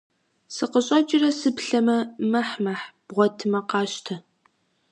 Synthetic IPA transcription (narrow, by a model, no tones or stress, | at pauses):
sɨqəɕʼɐt͡ʃʼɪrɐsɨpɬɐmɐmɐħmɐħb̥ʁʷɔtʰɨmɐqɑːɕtʰɐ